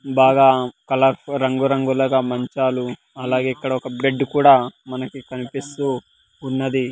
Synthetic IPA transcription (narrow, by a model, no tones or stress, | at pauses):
baːɡaːkɐlɐɾɾɐŋɡuɾɐŋɡulɐɡaːmɐɲt͡ʃaːlu | ɐlaːɡeːikːɐɽɐɔkɐbeɖkuːɽaːmɐnɐkikɐnipist̪uː | unːɐd̪i